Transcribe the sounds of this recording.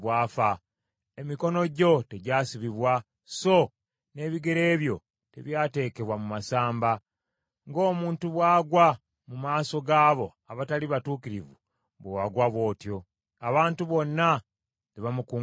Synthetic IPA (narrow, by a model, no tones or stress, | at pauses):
waːfa | e̞miko̞no̞ɟo̞te̞ɟaːsiβiβwa | so̞ | ne̞ːβiɡe̞ɾe̞ːβjo̞ | te̞̰βjaːte̞ːke̞βwamumasaːmba | ŋɡo̞ːmuːntuβwaːɡwa | mumaːso̞ɡaːβo̞̰ | aβataliβatuːkiɾivu | βoaɡwaβwo̞ːtjo̞ | aβaːntuβo̞nːa | leβamuku